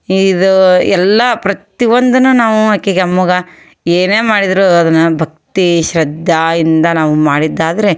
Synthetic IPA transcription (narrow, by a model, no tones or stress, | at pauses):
id̪uɛlːɐpɾɐt̪iʋond̪ɐnunaːʋuɦɐkːiɡɐmːuɡɐ | eːne̞ːmaːɽid̪ɾuɐd̪ɐnːɐbʱɐk̚t̪iʃɾɐd̪ʱːaind̪ɐnaːʋumaːɽid̪ːaːd̪ɐɾe